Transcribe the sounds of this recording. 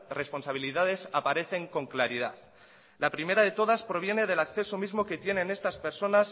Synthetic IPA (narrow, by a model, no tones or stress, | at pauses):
re̞spo̞nsaβ̞iliðað̞e̞sapaɾe̞θe̞ŋko̞ŋklaɾiða̰ð | lapɾime̞ɾað̞e̞t̪o̞ð̞aspɾo̞β̞je̞ne̞ðe̞lakθe̞somizmo̞ke̞t̪je̞nẽ̞ne̞st̪aspe̞ɾso̞nas